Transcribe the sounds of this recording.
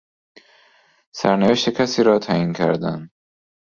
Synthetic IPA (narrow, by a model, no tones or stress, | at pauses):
sæɾnæveʃt̪ecʰæsiːɾɒːt̪ʰæiːncʲʰæɾd̪ænd̪